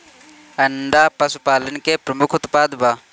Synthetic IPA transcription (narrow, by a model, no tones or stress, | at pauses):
ɐnd̪aːpɐsupaːlənkeːpɾəmʊkʰʊt̪paːd̪baː